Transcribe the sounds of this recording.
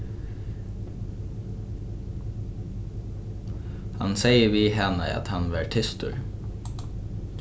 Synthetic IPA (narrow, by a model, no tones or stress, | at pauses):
hɑ̰nseɪəʋiːɦɛnə̰ɑ̰t̪hɑnʋæːɹʈʰɪst̪ʊɹ